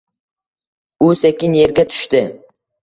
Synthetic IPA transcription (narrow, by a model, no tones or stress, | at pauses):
ʊsekʲɪnjeɾɡʲat̪ʰʊ̥ʃt̪ɪ